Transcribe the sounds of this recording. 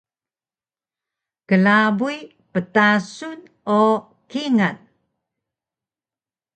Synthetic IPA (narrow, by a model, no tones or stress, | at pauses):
kəlabui | pətasun | o | kiŋan